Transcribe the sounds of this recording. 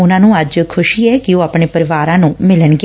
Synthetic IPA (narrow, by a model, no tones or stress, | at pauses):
ʊnãːnũːəd͡ʒkʰʊʃiːɛːkɪoːapɳeːpəɾɪʋaːɾãːnũːmɪləɳɡ